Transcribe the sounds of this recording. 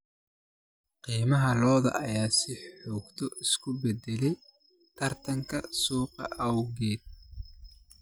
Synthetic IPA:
qiːmɐɦɐlɔːðɐ̰ʔɐjaːsɪħɔːɡt̪ʰɔʔɪskʰʊbɛd̪ɛlɛj | t̪ʰɐrt̪ʰɐŋkʰɐsuːqɑ̰ʔɐwɣɛːd̪̚

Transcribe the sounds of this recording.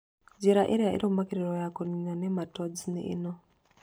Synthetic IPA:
d͡ʒiɾaʔiɾiaʔḭɾomakiɾiɾojakuniɲanematod͡zinḛʔḭno

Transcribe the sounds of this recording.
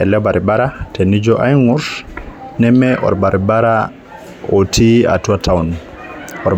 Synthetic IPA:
ɛlɛbaɾibaɾatenid͡ʒɔʔajŋusnɛmɛʔɔ̰ɾbaɾibaɾa | otʰia̰tuatʰawn | ɔɾ

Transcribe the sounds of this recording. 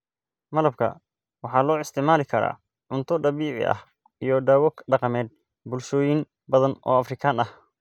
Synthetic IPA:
mɐlɐb̚kʰɐ̰ | wɑħɑːlɔːɪst̪ʰɪʕmaːlɪkʰɐɾa̰ː | ʕʊnt̪ʰɔɖɑβiːʕɪ̰ʔɐ̰h | ijɞɖaːwɐɡɖɑqɑmɛːd̪̚ | bʊlʃɔːjɪn | bɐðɐnɔ̰ːɐfrɪkʰaːnɐh

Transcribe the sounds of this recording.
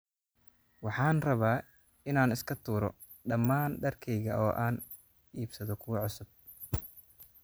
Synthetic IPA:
wɑħɑːnrɐβaː | ɪnaːnɪskʰɐt̪ʰuːɾɔ | ɖɐmːaːnɖɐrkʰɛjɣɐʔɔːʔaːn | ʔiːbsɐðɔkʰʊwʕʊsʊb̚

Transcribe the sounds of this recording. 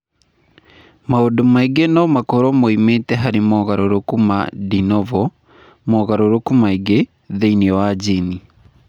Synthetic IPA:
maodomaiɡenɔmakɔɾɔmoimetɛɦaɾimɔːɣaɾoɾokuma̰dinɔvɔ | mɔɣaɾoɾokumaiɡe | ðeiniɔwad͡ʒini

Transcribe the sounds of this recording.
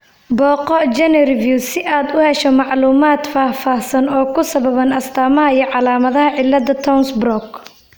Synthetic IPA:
bɔːqɔd͡ʒɛnɛrvjusɪʔaːd̪ʊhɛʃɔmɑʕluːmaːd̪faːfaːhsɐnɔːkʰʊsɐβɐβɐnɐst̪ʰaːmɐɦɐijɞʕɑlaːmɐðɐhɐʕɪlːɐd̪ɐt̪ʰɔwnsbrɔk

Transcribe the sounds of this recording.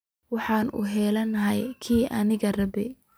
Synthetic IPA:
wɑħɑːnʔṵːɦɛlɐnːɐɦɐjkʰiːʔɐnɪɣɐrɐbɪ

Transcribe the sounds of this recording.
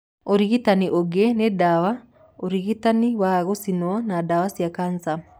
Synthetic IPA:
oɾiɣitaniʔoɡenedawa | oɾiɣitaniwaɣosinɔnadawasjakansa

